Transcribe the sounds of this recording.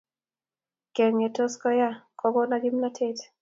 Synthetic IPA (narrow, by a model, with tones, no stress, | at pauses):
kɛ˨ŋe˨to˦skɔ˦ja˦kʰɔ˦ɡɔ˦naɡi˦mna˦tʰe˦t